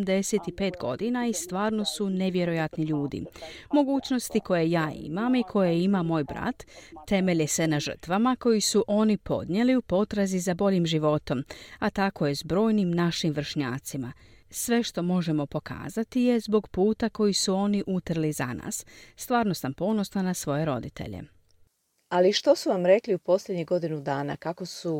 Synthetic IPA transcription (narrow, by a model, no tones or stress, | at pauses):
md̪e̞set̪ipe̞ːt̪ɡo̞̰d̪inaist̪ʋaːɾno̞sune̞ʋje̞ɾo̞jat̪niʎuːd̪ḭmo̞ɡuːt͡ɕno̞st̪iko̞je̞jaːḭmamikʰo̞jeimamːo̞ːjbɾa̰t̪ːe̞me̞ʎese̞naʒər̩t̪ʋamako̞jisuʔo̞ːnipo̞̰d̪ɲjeliupo̞t̪ɾazizabo̞ʎimʒiʋo̞t̪o̞mat̪ako̞je̞zbɾo̞ːjnimnaʃimʋr̩ʃɲaːt̪sima | sʋe̞ʃt̪o̞mo̞ʒe̞mo̞po̞kʰa̰ːzat̪ije̞zbo̞ɡpuːt̪ako̞jisuo̞ːniʔut̪rlizana̰ːsːt̪ʋaːɾno̞sampo̞no̞snonasʋo̞je̞ɾo̞̰d̪it̪ʰḛʎḛ | aliʃt̪osuʋamɾe̞kliupo̞slʲed̪ɲiɡo̞d̪inud̪aːna̰kako̞su